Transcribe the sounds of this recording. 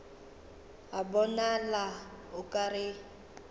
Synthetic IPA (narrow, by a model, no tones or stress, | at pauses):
abɔnalaʊkʼarɪ